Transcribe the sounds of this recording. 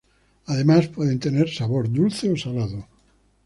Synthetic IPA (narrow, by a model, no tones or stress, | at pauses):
aðemaspweðent̪eneɾsaβoɾd̪ulθeosalaðo